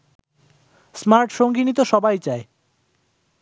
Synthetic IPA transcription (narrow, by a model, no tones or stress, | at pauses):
smaɾʈʃoŋɡinit̪oʃɔbajt͡ɕae